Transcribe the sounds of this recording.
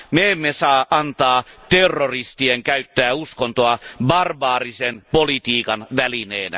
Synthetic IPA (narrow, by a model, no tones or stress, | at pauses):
meemːesɑːʔɑnt̪ɑːt̪erːorist̪ieŋkæyt̪ːæːuskont̪oɑbɑrbɑːrisenpolit̪iːkɑnʋælineːnæ̰